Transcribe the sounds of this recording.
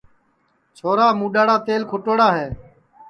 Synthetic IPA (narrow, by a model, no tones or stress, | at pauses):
t͡ʃʰoːɾaːmũːɗaːɽaːt̪eːlkʰʊʈoːɽaːɦeː